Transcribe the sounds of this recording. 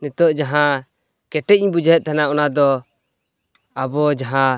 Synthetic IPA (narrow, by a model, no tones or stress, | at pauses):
nɛt̪ɔʔd͡ʒaɦã | kɛʈɛc̚iɲbud͡ʒɛɦɛt̪̚ˀt̪ʰanaʔɔnad̪ɔ | abɔd͡ʒaɦã